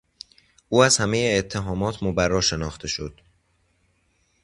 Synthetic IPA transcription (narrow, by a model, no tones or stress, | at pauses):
uːæz̥hæme̞jeːt̪ʰːe̞ɦɒːmɒːt̪ʰmobærːɒːʃe̞nɒːxt̪ʰe̞ʃo̞d̪̥